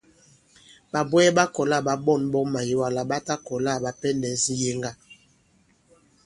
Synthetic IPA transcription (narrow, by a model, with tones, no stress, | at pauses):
ba˨bwɛ˦ba˦kɔ˨la˦˨ba˨bɔ˦˨nbɔ˦ma˨ji˨wa˦la˨ba˦ta˦kɔ˨la˦˨ba˨pɛ˦ndɛ˨n˦si˦je˦ŋɡa˦